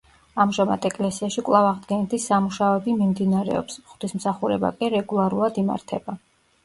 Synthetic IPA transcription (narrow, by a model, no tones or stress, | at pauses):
amʒama̰d̪ɛkʼlɛsiaʃikʼwlˠavaʁd̪ɡɛnɛt̪ʰisamuʃaɔɛbimimd̪inaɾɛ̰ɔ̰psmχt̪ismsaχuɾɛba̰kʼiɾɛɡulˠaɾulˠad̪ima̰ɾt̪ʰɛba